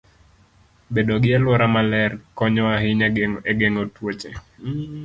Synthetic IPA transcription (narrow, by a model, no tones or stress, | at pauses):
bedoɡɪalwɔɾamalɛrkɔɲɔaɦɪɲɛɡeŋotwot͡ʃe